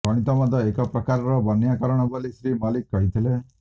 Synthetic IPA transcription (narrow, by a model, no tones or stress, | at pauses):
kɔɽ̃it̪ɔmɔd̪ɔekɔpɾɔkaɾɔɾɔbɔnjakɔɾɔɽ̃ɔbolisɾimɔlikːɔɦit̪ʰile